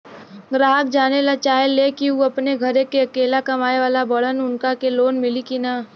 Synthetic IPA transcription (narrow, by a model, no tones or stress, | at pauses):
ɡɾaːɦək̚d͡ʒaːnelat͡ʃaːelːekiuɐpneɡʱɐɾekeɐkeːlakɐmaːeʋaːlabɐɽənʊnkakeloːnmɪlikinaː